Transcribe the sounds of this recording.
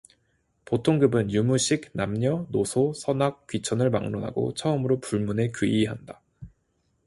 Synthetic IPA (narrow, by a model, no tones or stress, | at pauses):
potʰoŋɡɯbɯnjumuɕʰiknamɲʌnosʰosʰʌnak̚k͈ɥit͡ɕʰʌnɯɭma̰ŋnonɦa̰ɡo̰t͡ɕʰʌɯmɯɾopuɭmune̞kiiɦanda